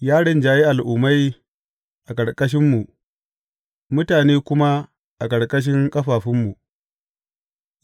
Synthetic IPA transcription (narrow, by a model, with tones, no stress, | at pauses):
jaː˦ɽɪ˨nd͡ʒaː˨ji˦ʔa˨lʔʊː˨ma˦j | ʔa˨kʼɐ˨ɽkʼɐ˦ʃ̬ɪ˦mːu˨ʔ | mʊ˦taː˨neː˦kʷʊ˦ma˦ | ʔa˨kʼɐ˨ɽkʼɐ˦ʃ̬ɪ˦ŋkʼɐ˦ɸaː˨ɸɪ˦mːu˨